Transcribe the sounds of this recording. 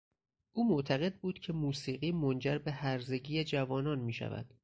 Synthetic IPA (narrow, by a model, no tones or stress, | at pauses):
ʔuːmoʔt̪ʰæɣe̞d̪̚buːd̪̥cʰe̞muːsiːɣiːmond͡ʒæɾbe̞hæɾze̞ɟiːjed͡ʒævɒːnɒːnmiːʃæ̰væ̰d̪̥